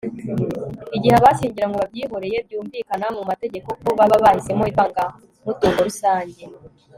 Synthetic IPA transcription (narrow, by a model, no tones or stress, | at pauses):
iɟiheβaʃiːɲɟiɾaŋɡoβabjiːɦo̞ɾe̞je̞bjuːɱviːkanamumate̞ɟe̞ko̞koβaβaβahise̞moiβaŋɡa | mutuːŋɡoɾusaːɲɟe̞